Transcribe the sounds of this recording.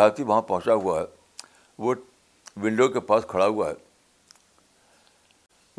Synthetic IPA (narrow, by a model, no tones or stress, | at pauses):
aːt̪iʋɐɦãpɐ̃ɦʊ̃t͡ʃaɦuaɦɛː | ʋo | ʋɪ̃ɳɖokepaːskʰɐɭaɦʊaɦɛː